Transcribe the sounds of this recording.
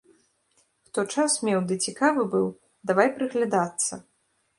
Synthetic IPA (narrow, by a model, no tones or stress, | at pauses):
xt̪ɔt͡ʂasmʲɛwd̪ɨt͡sʲikavɨbɨw | d̪avajpɾɨɣlʲad̪at̪sːɐ̰